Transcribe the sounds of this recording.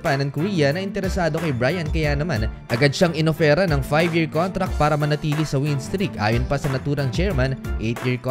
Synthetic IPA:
pɐnɐŋkʊɾiːjɐnɐʔɪnt̪ɛɾɛsaːd̪o̞kɐjbɾaːjɐnkɐjanɐmanʔɐɡɐd̪̚ʃaŋɪnofɛːɾɐnɐŋfajvjiɹkont̪ɾɐk̪̚paːɾɐmɐnɐt̪iːlisɐwinst̪ɾikʔa̰ːjonpɐsɐnɐt̪uːɾɐŋt͡ʃɛɹmɐnʔejt̪jiɹk

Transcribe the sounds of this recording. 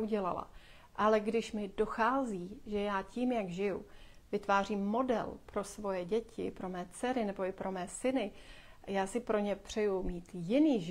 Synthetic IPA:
uɟɛla̰la̰ | ʔalɛɡdɪʃmɪdo̞xaːziːʒɛjaːciːmjaɡʒɪju | vɪt̪vaːr̝iːmːo̞dɛ̰lpɾo̞svo̞jɛɟɛcʰɪ̰pɾo̞mɛːt͡sɛɾɪnɛbo̞ɪpɾo̞mɛːsɪnɪjaːsɪpɾo̞ɲɛpr̝̥ɛjumiːt̪jɪniːʒ

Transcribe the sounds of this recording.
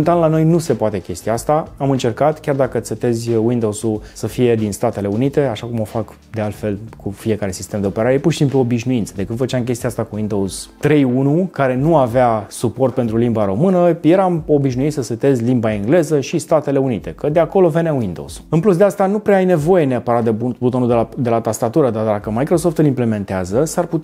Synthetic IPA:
nt̪anlano̞jnuse̞poat̪e̞kʲe̞st̪iaast̪aamɨnt͡ʃe̞rkat̪kʲard̪akəset̪e̞zʲwind̪owsusəfije̞d̪inst̪at̪e̞le̞unit̪e̞aʃakumo̞fak | d̪e̞alt̪fe̞lkʰufie̞kaɾe̞si̥st̪e̞md̪eo̞peɾaɾe̞purʃisimpluobiʃnuint̪səd̪ekɨnd̪fət͡ʃamk̬ʲe̞st̪iaast̪akuwind̪o̞wz̥t̪ɾe̞junukaɾe̞nuaveasuport̪̚pent̪ɾulimbaɾo̞mɨnəjeɾamobiʃ̬nuit̪səsət̪ezʲlimbaeŋɡle̞zəʃist̪at̪e̞le̞unit̪e̞kəd̪eako̞lo̞ve̞neawind̪o̰uz̥ɨnplusd̪e̞ast̪anupɾeaajne̞vo̞je̞neapəɾat̪̚d̪ebubut̪o̞nud̪ed̪e̞lat̪ast̪at̪uɾəd̪ard̪akəmajkɾo̞so̞ft̪ɨlimple̞me̞nt̪eazəsarput̪

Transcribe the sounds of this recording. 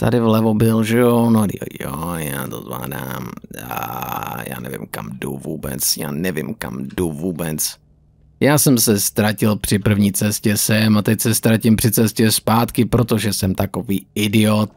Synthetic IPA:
t̪a̰dɪvlɛvobɪlʒɛjonodḭjojaːt̪ozla̰ːda̰ːm | ja̰ːnɛ̰vɪ̰mkamdṵvuːbɛ̰t͡sjaːnɛvɪmka̰mduvuːbɛt͡s | jaːsɛmsɛst̪ɾacɪlpr̥ɪpr̩vɲiːt͡sɛscɛsɛmat̪ɛcsɛst̪ɾacɪmpr̥ɪt͡sɛscɛspaːt̪kɪpɾot̪oʒɛsɛmt̪akoviːɪdɪot̪̚

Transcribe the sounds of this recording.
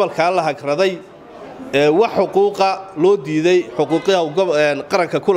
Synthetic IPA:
ɐlkʰaːlɐɦɐɡrɐðɛj | ɛːwɑħːʊquːqɐlɔːd̪iːðɛjħʊquːqɐɡnqɑɾɐŋkʰɐkʰʊl

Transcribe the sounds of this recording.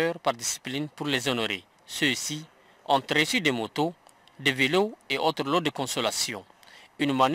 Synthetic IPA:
øʁpaʁd̪isi̥plinpuʁlezonoɾḛ | søsi | ɔ̃t̪ɾəsyd̪ɛmot̪o | d̪eveloeʔot̪ɾəlod̪əkɔ̃solasjɔ̃ | ynman

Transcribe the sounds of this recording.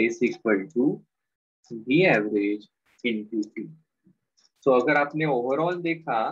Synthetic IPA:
beːsɪkbəlʈuː | biɛːʋɾeːd͡ʒ | ɪ̃ɳpjuːʈiː | soːɐɡəɾaːpneoːʋəɾɔːld̪eːkʰa

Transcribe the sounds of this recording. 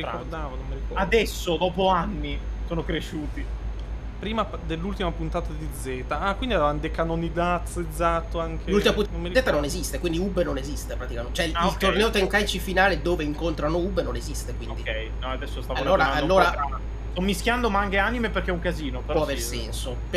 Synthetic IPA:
ɾiord̪aːvonomːiɾikad̪ɛsːod̪ɔːpoanːisoːnokɾeʃːuːt̪i | pɾiːmad̪elːult̪imapunt̪aːt̪ad̪id̪zɛt̪aakwind̪iavavand̪ekanonid̪at̪sed̪zat̪ːoaŋk̟eult̪imapunomːezɛːt̪anonezist̪ekwind̪iubenonezist̪epɾat̪ikament̪t͡ʃɛilkt̪ornɛːot̪eŋkajt͡ʃifinaːled̪oːveiŋkont̪ɾanoubenonezist̪ekwḭnod̪ikɛjnɔad̪ɛsːost̪avaolːoːɾaaalːoːɾaa | st̪ɔmːiskʲjand̪omaŋɡeanimeperk̟eɛuŋkaziːnopeɾpɔaaveɾsɛ̰nsop

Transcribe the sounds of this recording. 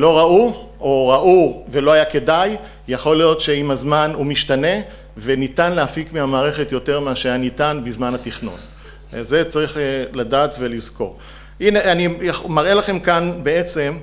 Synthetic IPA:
lo̞ʁauo̞ʁaʔuve̞lo̞ajake̞daj | jaχo̞lijo̞tʃe̞imazmanumiʃtane̞ | ve̞nitanleafikmeamaːʁe̞χe̞tjo̞te̞ʁmeaʃeajanitanbizmanhatiχno̰n | ze̞t͡saʁiχeladaːtve̞lizko̞̰ʁ | ineanijamaʁe̞laχe̞mkanbeet͡se̞m

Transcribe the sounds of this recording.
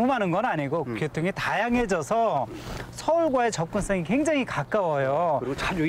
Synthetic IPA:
umanɯnɡʌnaɲiɡokjotʰuŋetajaŋɦe̞d͡ʑʌsʰʌ | sʰʌuɭɡwae̞t͡ɕʌp̚k͈uns͈ʌŋike̞ŋd͡ʑaŋikak͈awʌjo

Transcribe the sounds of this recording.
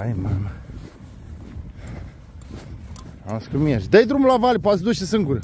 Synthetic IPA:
ajmamɐ | a̰skɨmiaʃd̪ɐjd̪ɾumulavalʲip̬asd̪uʃesɨŋɡuɾ

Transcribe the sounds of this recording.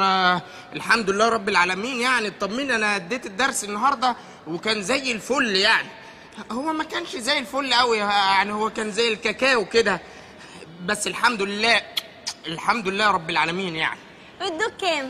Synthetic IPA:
ʔelħamd̪oelːæːɾˤɑbːelʕaːlæmiːnjaʕnit̪ˤːɑmːiːnʔænæʔæd̪ːeːt̪ed̪ːɑɾˤsenːɑɦɑɾˤd̪ˤɑ | wekæːnzæjːelfolːjaʕni | howːæmækæːnʃzæjːelfolːʔæwijaʕnihowːækæːnzæjːelkækæːweked̪æ | bæsːelħamd̪olelːæː | elħamd̪olelːæːɾˤɑbːelʕaːlæmiːnja̰ʕni | wed̪ːokːæːm

